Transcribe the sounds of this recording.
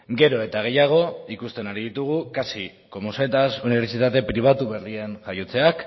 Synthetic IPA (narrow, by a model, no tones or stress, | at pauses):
ɡe̞ɾo̞e̞t̪aɣ̞e̞jaɣ̞o̞ikust̪e̞naɾiðit̪uɣ̞ukasi | ko̞muse̞t̪asuniβ̞e̞ɾt͡sit̪at̪e̞pɾiβ̞at̪uβe̞rie̞nʝajot͡se̞ak